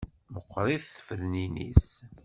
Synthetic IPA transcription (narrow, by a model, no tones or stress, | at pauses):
məqʷːɾˤiθθə̥fəɾninḭs